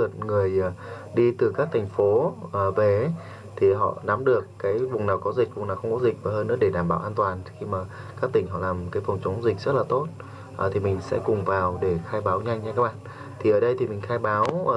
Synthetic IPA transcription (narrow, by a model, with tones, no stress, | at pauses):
ɨ˨˩ət̚ŋɨ˨˩əj | ɗi˧t̪ɨ˨˩kaː˦˥k̚t̪ʰa˨˩jŋ̟fo˨˦əː˨˩ve˨˩ | t̪ʰi˨˩ɦɔ̰˧˨na˨˦mɗɨ˨˩əkːaː˨˦jvʊ˨˩ŋ͡mnaː˨˩wkɔ˨˦zï˨˩k̚vʊ˨˩ŋ͡mnaː˨˩xə˧wŋ͡mkɔ˨˦zï˨˩k̟̚vaː˨˩ɦəː˧nɨ̰˥əkɗe˧ɗaː˧˩mɓaː˧˩wʔaː˧t̪waː˨˩nxi˧maː˨˩kaː˦˥k̚t̪ï˧˩ŋ̟ɦɔ̰˧˨laː˨˩mkaː˨˦jfə˨˩wŋ͡mt͡ɕʊ˨˦ŋ͡mzi˨˩k̚zə˦˥t̚laː˨˩t̪o˦˥t̚ | ʔə˨˩t̪ʰi˨˩mï˨˩ŋ̟sɛ̰˧˥kʊ˨˩ŋ͡mvaː˨˩wɗe˧˩xaː˧jɓaː˨˦wɲa˧jŋ̟t͡ɕʰa˧kaː˦˥k̚ɓa̰ː˧˨n | t̪ʰi˨˩ʔəː˧˩ɗə˧jt̪ʰi˨˩mï˨˩ŋ̟xaː˧jɓaː˨˦w